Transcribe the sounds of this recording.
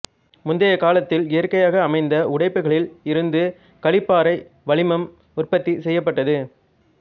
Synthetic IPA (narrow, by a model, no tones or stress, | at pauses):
mʊnd̪ɐjɐkaːlɐt̪ːɪlɪjɐɾkɐjaːɣɐːmɐɪnd̪ɐʔʊɽɐɪpːɯɣɐɭɪlɪɾɯnd̪ɯ | kɐɭɪpːaːɾɐɪ | ʋɐɭɪmɐm | ʊrpɐt̪ːisɛjːɐp̬ːɐʈːɐðɯ